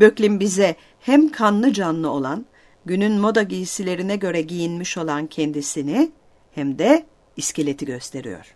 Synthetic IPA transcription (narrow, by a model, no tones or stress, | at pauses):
bø̞clʲimbizɛ | hæmkʰanlˠɯd͡ʒanlˠɯo̞lˠan | ɟynynmo̞d̪aɟijisilʲe̞ɾinɛɟø̞ɾɛɟijinmiʃo̞lˠancʰɛnd̪isini | hæmd̪ɛ | iscelʲe̞t̪ʰiɟø̞st̪ʰe̞ɾḭjo̞̰ɾ̥